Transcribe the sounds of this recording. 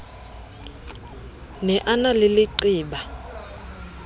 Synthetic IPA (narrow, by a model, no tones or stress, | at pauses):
nɛʔanalɪlɪǀiːɓa